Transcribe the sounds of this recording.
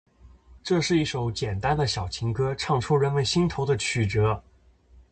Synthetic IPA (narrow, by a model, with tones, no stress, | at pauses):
ʈ͡ʂɤ˥˧ʂɻ̩˥˧i˥˩ʂo˧˥ʊt͡ɕjɛ˨˩nt̪a˥nd̪ə˨ɕjɑ˨˩ʊt͡ɕʰi˧˥ŋkɤ˥ʈ͡ʂʰɑ˥˩ŋʈ͡ʂʰu˥ɻə˧˥nmə˧˩nɕi˥ŋt̪ʰo˧˥ʊd̪ə˧t͡ɕʰy˨˩ʈ͡ʂɤ˧˥